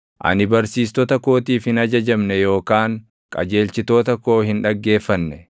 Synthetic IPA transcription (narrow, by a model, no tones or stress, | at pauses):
ʔɐ̰nɪbɐɾsiːst̪ɔt̪ɐko̞ːt̪iːfhɪnɐd͡ʒɐd͡ʒɐmnɛjo̞ːkaːŋ | kʼɐ̰d͡ʒe̞ːlt͡ʃɪt̪o̞ːt̪ɐkːo̞ːhɪnᶑɐɡːe̞ːfːɐnːɛ